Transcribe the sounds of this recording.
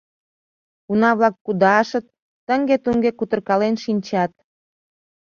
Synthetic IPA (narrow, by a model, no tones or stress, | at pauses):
kunɑβlɑk̚ːud̪ɑʃə̆t̪̚ː | ə̆ŋɡet̪uŋɡekut̪ərkɑlenʃinʲt͡ɕɑt̪̚